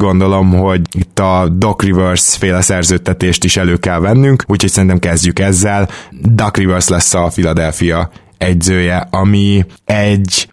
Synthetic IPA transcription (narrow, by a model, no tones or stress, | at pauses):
ɡo̞nd̪o̞lo̞mɦo̞ɟit̪ːɒd̪o̞krivørsfeːlɛsɛrzøːt̪ːɛt̪eːʃt̪iʃɛløːkɛlvɛnːyŋkuːcʰhoc̚sɛɾint̪ɛmkɛzɟykɛzːɛld̪ɒkrivørslɛsːɒfilɒd̪ɛlfijɒ | ɛɟzøːjɛɒmiɛɟ